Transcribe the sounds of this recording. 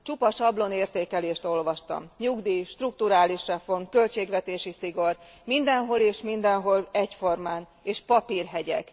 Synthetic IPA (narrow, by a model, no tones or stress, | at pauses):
t͡ʃupɒʃɒblo̞neːrt̪eːkɛleːʃt̪o̞lʋɒʃt̪ɒ̰mɲuɡd̪iːʃt̪ruk̚t̪uɾaːliʃrɛfo̞rmkø̞lt͡ʃeːɡʋɛt̪eːʃisiɡo̞r | mind̪ɛnɦo̞leːʃmind̪ɛnɦo̞lɛcfo̞rmaːn | eːʃpɒpiːrɦɛɟɛ̰k